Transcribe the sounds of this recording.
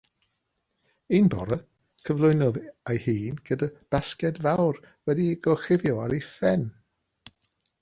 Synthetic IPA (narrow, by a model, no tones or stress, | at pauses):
inbɔ̰ɾə | kʰəvlˠʊɨnɔðajhiːnɡ̥ədəb̥askɛdvawrwɛdiɡ̥ɔχɪvjɔaɾifɛn